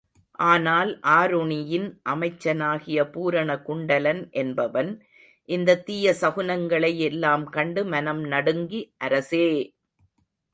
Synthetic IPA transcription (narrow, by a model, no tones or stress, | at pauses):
ʔaːnaːlʔaːɾʊɳɪjɪnʔɐmɐɪt͡ʃːɐnaːɣɪjɐpuːɾɐɳɐkʊɳɖɐlɐnʔɛnbɐʋɐn | ʔɪnd̪ɐt̪iːjɐsɐɣʊnɐŋɡɐɭɐjɛlːaːmkɐɳɖɯmɐnɐmnɐɽɯŋɡiʔɐɾɐseː